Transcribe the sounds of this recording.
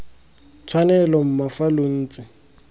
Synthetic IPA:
t͡sʰwanɛlɔm̩mafalon̩ːt͡sʼɪ

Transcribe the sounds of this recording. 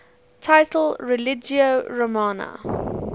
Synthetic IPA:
tʰaɪtʰəlɹɛlɪd͡ʒioɹəmɑnə̰

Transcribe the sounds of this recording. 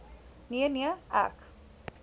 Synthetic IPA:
niəniəa̰k

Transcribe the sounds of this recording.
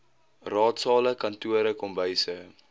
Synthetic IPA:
rɑːtsɑːləkɐntuəɾəkɔmbəjsə

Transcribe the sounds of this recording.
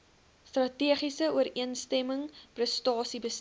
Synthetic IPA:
strɐtiəχisəuəɾiənstɛməŋprəstɑːsibəs

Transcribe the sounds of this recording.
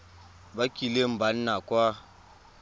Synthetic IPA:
bakilem̩banːakwa

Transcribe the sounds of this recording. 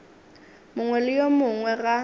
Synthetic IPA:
mʊŋwɛlɪjomʊŋwɛɣa

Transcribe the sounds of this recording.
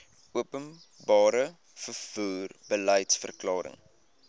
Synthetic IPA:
uəpən | bɑːɾə | fərfuːrbələjtsfə̰rklɑːɾə̰ŋ

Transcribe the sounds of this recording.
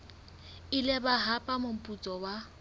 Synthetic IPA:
ɪlɪbaɦapʼamʊm̩pʼut͡sʼɔwa

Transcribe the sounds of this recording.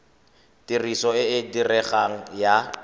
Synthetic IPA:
tirisɔɪɪdirɛχaŋ̩ja

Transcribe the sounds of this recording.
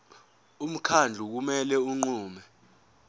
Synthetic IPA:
um̩kʰand͡ɮʱuk̬umɛlɛuŋ͡ǃuːmɛ

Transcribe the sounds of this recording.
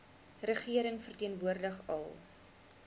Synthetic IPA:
rəχiəɾəŋfərtiənvuərdəχɐ̰lˠ

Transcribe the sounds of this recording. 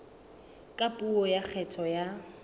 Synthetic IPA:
kʼapʼuɔjak͡xʰɛtʰɔja

